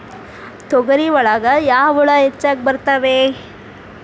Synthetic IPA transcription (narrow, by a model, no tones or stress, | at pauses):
t̪ɔɡɐɾiʋɐɭaɡɐjaːʋuɭɐɦet͡ʃːaːk̚bɐɾt̪aʋe